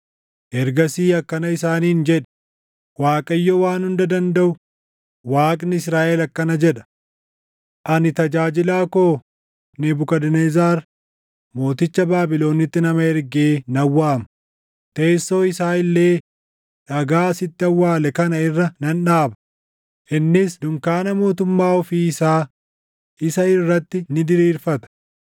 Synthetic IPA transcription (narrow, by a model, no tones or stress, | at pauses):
ʔɛɾɡɐsiːɐkːɐnɐɪsaːniːnd͡ʒɛᶑɛ̥ | waːkʼɐjːɔwaːnhʊnd̪ɐd̪ɐnd̪ɐʔʊ | waːkʼnɪɪs̬ɾaːʔɛlɐkːɐnɐd͡ʒɛᶑɐ̥ | ʔɐnɪt̪ɐd͡ʒaːd͡ʒɪlaːkoː | nɪbʊkɐd̪ɛnezaːɾ | mo̞ːt̪ɪt͡ʃːɐbaːbɪlo̞ːnɪt̪ːɪnɐmɐɛɾɡeːnɐwːaːmɐ̥ | t̪e̞ːsːo̞ːɪsaːɪlːe̞ː | ᶑɐɡaːɐsɪt̪ːɪɐwːaːlɛkɐnɐɪrːɐnɐnᶑaːbɐ̥ | ʔɪnːɪsd̪ʊŋkaːnɐmo̞ːt̪ʊmːaːɔfiːɪsaː | ʔɪsɐɪrːɐt̪ːɪnɪd̪ɪɾiːɾfɐt̪ɐ̥